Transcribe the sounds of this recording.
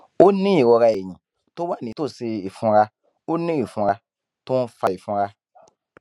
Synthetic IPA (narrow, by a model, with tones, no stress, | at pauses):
o˦nĩ˦i˨wɔ˧ɾa˧e˨ɲĩ˨ | to˦wa˦˨nĩ˨˦o˦˨se˧i˨fũ˧ɾa˧ | o˦nĩ˦i˨fũ˧ɾa˧ | to˦n̩˧˦fa˧˨i˨fũ˧ɾa˧